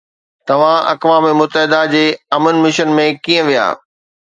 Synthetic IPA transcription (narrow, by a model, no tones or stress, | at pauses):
t̪ɐʋ̤ãɐ̰kʋaːmmʊt̪ːəɦɪd̪ad͡ʑeːɐmənmɪʃənmẽkiːə̃ʋija̰ː